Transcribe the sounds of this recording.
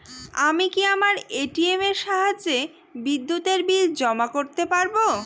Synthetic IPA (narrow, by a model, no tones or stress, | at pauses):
amikiamaɾeʈiemeɾʃaɦad͡ʑe | bid̪ːut̪eɾbild͡ʑɔmakoɾt̪epaɾbo